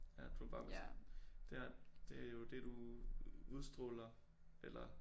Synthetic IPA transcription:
jæd̥ub̥ɑ̈ːmed̥eæd̥e̝æjo̝d̥e̝d̥u | uðˠsd̥ʁɔlɐ | elɐ

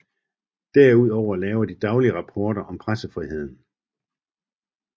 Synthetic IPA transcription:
d̥æɐuð̞̰ˠɒʊɐlɛːʊɐd̥id̥ɑ̈ʊliəʁɑ̈pʰɒːɾ̥ɐʔɒ̽mpʰʁasəfʁiɦe̝ð̞̰ˠn̩

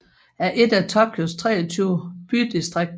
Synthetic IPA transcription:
æɐʔe̝d̥æt͡sʰɒ̽b̥̚kʰɔst͡sʰʁɛ̰ːɐt͡sʰyʊb̥yd̥isd̥ʁeɡ̥̚d̥

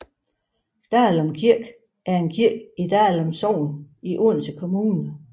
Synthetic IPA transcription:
d̥ælɒmkʰiɐɡ̥ | ʔæɐe̝nkʰiɐ̰ɡ̥id̥æælɒmsɒʊ̰niʔonsəkʰo̝muːnə

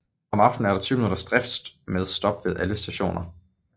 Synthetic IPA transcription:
ɒ̽mɑ̈fd̥n̩æɐɾ̥ɑ̈t͡sʰyːʊminuɾ̥ɐsd̥ʁɛfd̥sd̥meðˠsd̥ɒ̽b̥ʋeðˠæləsd̥æɕo̝̰ːnɐ

